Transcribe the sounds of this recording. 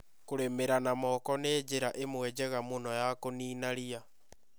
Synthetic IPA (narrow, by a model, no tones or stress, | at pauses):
koɾemeɾanamɔkɔneːd͡ʒeɾaʔemwɛd͡ʑɛɣamonɔjakoniːnaɾia